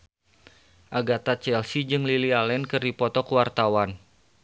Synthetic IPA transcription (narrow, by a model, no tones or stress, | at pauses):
ʔaɡat̪at͡ʃɛlsid͡ʒɨŋlilialɛnkɨrdipɔt̪ɔkəwart̪awan